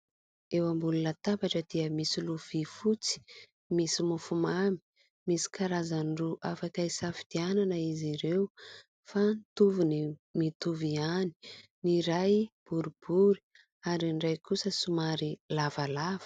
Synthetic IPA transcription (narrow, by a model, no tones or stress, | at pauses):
ewambulunət̪abaʈ͡ʂəd̪̥iəmisiluv̥ifut͡si̥ | misimufumami | misi̥kaɾazanruʔafakajsafi̥d̪̥iananəiziɾew | fant̪uvunimit̪uviani̥niɾajb̥uɾub̥uɾi | aɾiɳɖ͡ʐajkusəsumaɾilavalav̥ə̥